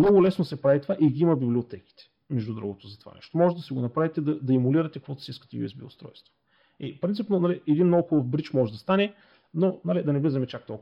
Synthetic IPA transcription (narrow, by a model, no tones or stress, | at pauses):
nɔɡʊlɛsnosɛpɾavit̪ovaʔiɡiimɐbibliot̪ɛki̥t̪ɛ̥ | mɛʒd̪ud̪ɾṵɡot̪ozɐt̪o̥va̰nɛ̰ʃt̪omɔʒɛt̪d̪ɐsiɡonɐpɾavit̪ɛd̪ɐd̪ɐimʊliɾɐt̪ɛkɐkvɔt̪ʊ̥siiskə̥t̪ɛjuɛsbḭʊ̰st̪ɾɔ̰jst̪vo̥ | ipɾint̪ipnonɐliɛd̪inːowxulˠofbɾit͡ʃmɔʒɛd̪ɐst̪anɛ | nonɐlid̪ɐnɛvlizɐmɛt͡ʃak̚t̪ɔlˠk